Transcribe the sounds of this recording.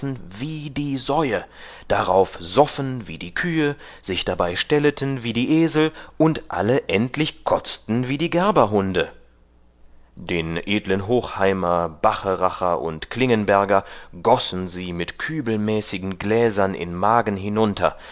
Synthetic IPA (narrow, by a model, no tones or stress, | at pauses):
n̩viːdiːzɔʏə | d̥aʁaʊfz̥ɔfn̩viːdiːkʰyːə | z̥ɪçd̥abaɪʃtɛlətʰənviːdiːʔeːzl̩ʊntʔa̰ləʔɛntlɪçkʰɔt͡stn̩viːdiːɡɛɐbɐɦʊndə | d̥eːnʔeːdlənɦoːxhaɪmɐb̥aχəʁaχɐʔʊ̰ntkl̥ɪŋənbɛɐɡɐɡɔsn̩ziːmɪtkʰyːbl̩mɛːsɪɡŋ̩ɡlɛːzɐnɪ̰nmaːɡn̩ɦɪnʊntʰɐ̰